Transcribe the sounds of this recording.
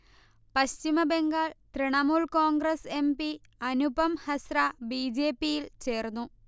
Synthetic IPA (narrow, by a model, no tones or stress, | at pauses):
pɐɕt͡ɕimɐbe̞ŋɡaːɭt̪riɳɐmuːɭkoːŋɡɾɐse̞mbi | ɐnubɐmhɐsrabiːd͡ʑe̞ːpːijilt͡ɕe̞ːrnːu